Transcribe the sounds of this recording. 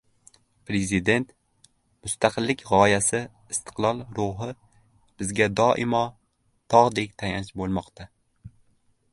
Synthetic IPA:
pɾe̞zɪd̪e̞nt̪ | mʊst̪ʰaqʰɨlːɪkʲʁɒjasɪ | ɪst̪ʰɨ̥qlˠɒlˠɾʊɦɪ | b̥ɪzɡʲad̪ɒʔɪmɒ | t̪ʰɒʁd̪e̞kʲt̪ʰajant͡ʃbolˠmɒqt̪ʰa

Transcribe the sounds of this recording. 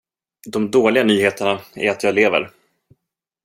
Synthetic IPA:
d̪ɔmd̪oːlɪɡanyːheːt̪əɳaæ̰ɾat̪jɑːleːvə̰ɾ

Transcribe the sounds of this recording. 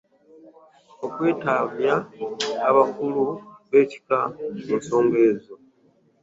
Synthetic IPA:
okweːtavjaː | βakuluβe̞ci̥kamunsoːŋɡeːzo

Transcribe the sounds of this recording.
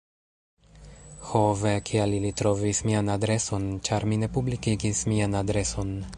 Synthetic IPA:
hovekʰialilitɾo̞vismianadɾe̞so̞nt͡ʃaɾmine̞publikiɡismianadɾe̞so̞n

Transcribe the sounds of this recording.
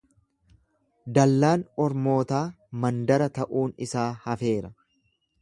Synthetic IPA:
d̪ɐlːaːnɔɾmo̞ːt̪aː | mɐnd̪ɐɾɐt̪ɐʔuːnɪsaːhɐfe̞ːɾɐ

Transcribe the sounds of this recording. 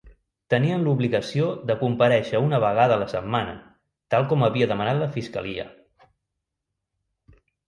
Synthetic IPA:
t̪əniənluβliɣəsioðəkumpəɾɛʃəunəβ̞əɣaðələsəmmːanə̰ | t̪alˠkɔməβiəðəmənat̪ləfiskə̰liə̰

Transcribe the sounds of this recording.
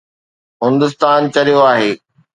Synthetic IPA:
ɦɪ̃nd̪ʊst̪aːnt͡ɕɐɾijoaːɦeː

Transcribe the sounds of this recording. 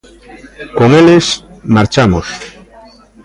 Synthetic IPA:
koŋelesmaɾt͡ʃamos

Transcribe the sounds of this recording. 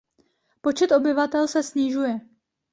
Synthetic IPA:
po̞t͡ʃɛt̪ʔo̞bɪvat̪ɛlsɛsɲɪʒujɛ

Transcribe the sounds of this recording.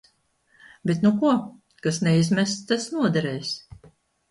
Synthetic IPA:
bɛt̪nukuɔ | kasnɛizmɛst̪asnuɔd̪ɛɾɛːjs

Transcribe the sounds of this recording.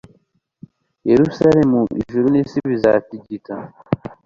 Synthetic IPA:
jeɾusaɾemuḭʒuɾunisiβizatiɟita

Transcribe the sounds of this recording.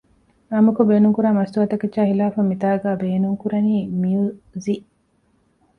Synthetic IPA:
ɐmukobeːnuŋkuɾaːmɐst̪uɐt̪ɐkeʃaːhilaːfɐmit̪aːɡaːbeːnuŋkuɾɐniːmiuziʔ

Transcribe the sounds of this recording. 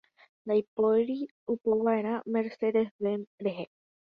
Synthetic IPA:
nd̪ajpoɾi | upoʋae̞ɾ̃ãmeɾsed̪esβemɾeɦe

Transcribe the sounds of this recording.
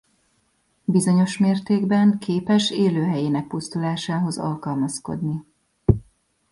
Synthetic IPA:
bizo̞ɲo̞ʃmeːrt̪eːɡbɛŋkʰeːpɛʃeːløːɦɛjeːnɛk̚pust̪ulaːʃaːɦo̞zɒ̰lkɒlmɒsko̞̰d̪ni

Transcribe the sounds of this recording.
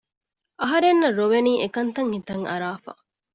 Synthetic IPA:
ʔɐɦɐɾenːɐɾoʋeniːʔekɐnt̪ɐŋhit̪ɐŋɐɾaːfɐ̰

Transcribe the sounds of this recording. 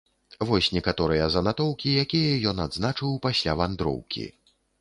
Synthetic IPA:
vɔsʲnʲɛkat̪ɔɾɨjɐzɐnat̪ɔwkʲijakʲijɐjɔnad̪znat͡ʂɨwpasʲlʲavand̪ɾɔ̰wkʲḭ

